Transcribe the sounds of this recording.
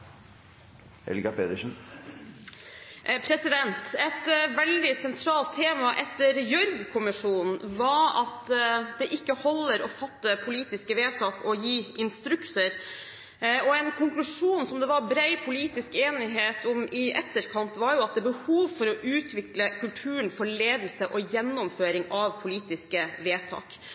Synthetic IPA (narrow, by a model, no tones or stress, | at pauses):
hɛ̰lɡɑpʰeːt̪əʂn | pʰɾɛsɪd̪ɛnt̪ɛt̪ʋɛld̪ɪsɛnt̪ʰɾɑːlt̪ʰːeːmɑʔɛt̪ːəɾjœɾʋkʰʊmɪʂuːnn̩ʋɑɾɑt̪d̪ɛʔɪkːəhɔlːəɾɔfɑt̪ːəpʰʊliːt̪ɪskəʋeːt̪ʰɑːkɔjiːɪnst̪ɾʉksəɾ | ɔɛnkʰʊŋklʉʂuːnsɔmd̪ɛʋɑɾbɾæɪpʰʊliːt̪ɪskeːnɪɦeːt̪ɔmɪʔɛt̪ːəɾkʰɑnt̪ʋɑɾjʊɑt̪̚d̪ɛbəhuːʋfɔɾɔʔʉːt̪ʰʋɪkləkʰʉlt̪ʰʉːənfɔɭeːd̪l̩səʔɔjɛnːɔmføːɾɪŋɑʋpʰʊliːt̪ɪskəʋeːt̪ʰɑ̰ːk